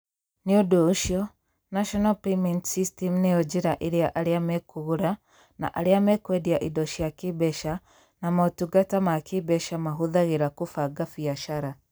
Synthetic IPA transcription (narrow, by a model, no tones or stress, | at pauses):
niodɔuʃiɔ | naʃɔnalpemɛntsistɛmunejɔd͡ʒiɾaʔiɾeaʔaɾeamɛkuɣuɾa | na̰ʔaɾiamɛkwɛdiaʔidɔʃiakibɛʃa | namatuɡatamakʰibɛʃamaɦuðaɣeɾakufaɡafiaʃaɾa